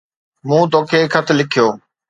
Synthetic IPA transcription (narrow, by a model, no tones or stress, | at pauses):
mũːt̪oːkʰeːkʰɐt̪ʰlɪkʰijoː